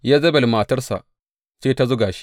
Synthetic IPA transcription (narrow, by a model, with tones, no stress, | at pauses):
jaː˦zɐ˦bɐ˨lmaː˨tɐ˦rsa̰˨ʔ | t͡ʃeː˦ta˦zʊː˦ɡaː˨ʃi̥˦